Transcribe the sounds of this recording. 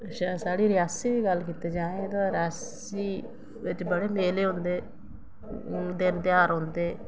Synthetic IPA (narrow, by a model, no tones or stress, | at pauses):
ʃaːsaːɽiːɾɪjaːsiːʋiːɡəlkiːt̪eːd͡ʒãːẽːt̪ãːɾɪjaːs | iː | ʋɪt͡ʃbəɽeːmeːleːɦʊ̃nd̪eː | d̪ɪnt̪ɪaːɾɦõnd̪eː